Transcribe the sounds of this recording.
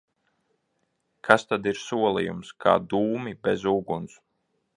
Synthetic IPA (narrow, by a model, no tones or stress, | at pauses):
kʰast̪ad̪iɾsuɔlˠijṵmskʰa̰ːd̪uːmibezuːɡuns